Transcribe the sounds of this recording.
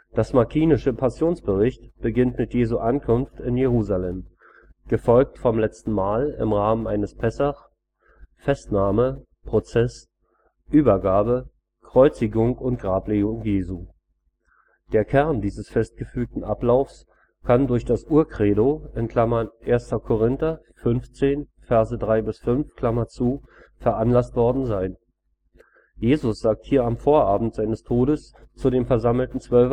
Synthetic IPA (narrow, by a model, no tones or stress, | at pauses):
d̥asmaɐkʰiːnɪʃəpʰasjoːnsb̥əʁɪçtb̥əɡɪntmɪtjeːzuʔankʰʊnftɪnjeʁuːzalɛm | ɡ̥əfɔlk̚tfɔmlɛt͡stn̩maːlɪ̰mʁaːmənʔa̰ɪnəspʰɛsaχ | fɛstnaːmə | pʁ̥ot͡sɛs | ʔyːbɐɡaːbə | kʁ̥ɔʏt͡sɪɡʊŋʊnt̚ɡ̥ʁaːpleːɡʊŋjeːzuː | d̥eːɐkʰɛɐndiːzəsfɛst̚ɡ̥əfyːk̚tn̩ʔaplaʊfs | kʰandʊɐçd̥asʔuːɐkʁ̥eːdoɪnkʰl̥amɐnʔeːɐstɐkʰoʁ̞ɪntɐ | fʏnft͡seːn | fɛɐzədʁaɪbɪsfʏnfkʰl̥amɐt͡suː | fɛɐʔanlastv̥ɔɐdn̩zaɪn | jeːzʊsz̥aːk̚thiːɐamfoːɐʔaːbm̩tz̥aɪnəstʰoːɾəs | t͡sudeːmfɛɐzaml̩tn̩t͡sv̥œlf